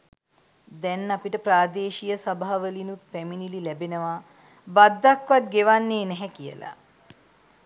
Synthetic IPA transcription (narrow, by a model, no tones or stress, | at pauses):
d̪ɛnːapiʈəpɾaːd̪eːʃijəsabaɦaʋəlinut̪̚pæminililɛbenəʋaː | bad̪ːakʋat̪̚ɡeʋanːeːnɛɦɛkijə̰la̰